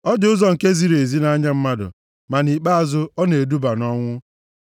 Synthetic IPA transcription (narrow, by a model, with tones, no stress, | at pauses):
ɔ˦dʊ˦zɔ˨ŋ̩˨ke˦zi˦ɾe˨zi˦na˦ɲa˦m̩˦ma˦dʊ̰˨ | ma˨ni˨k͡pa˦a˨zʊ˦ɔ˦ne˨e˨du˦ba˨nɔ˦ŋʷʊ˦